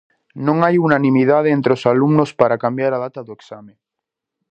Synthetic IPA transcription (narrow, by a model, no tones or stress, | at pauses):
nõŋajunanĩmiðaðeent̪ɾeosalumnospaɾakambjaɾað̞at̪aðoeksamẽ